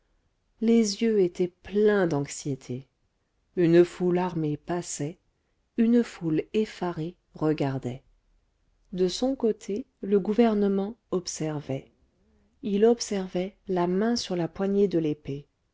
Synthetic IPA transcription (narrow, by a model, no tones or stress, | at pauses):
lezjøet̪ʰɛplɛ̃d̪ɑ̃ksjet̪ʰe | ynfulaʁmepasɛ | ynfulefaʁe | ʁəɡaʁd̪ɛ | d̪əsɔ̃kot̪ʰe | ləɡuvɛʁnəmɑ̃ɔpsɛʁvɛ | ilɔpsɛʁvɛlamɛ̃syʁlapwaɲed̪əlepe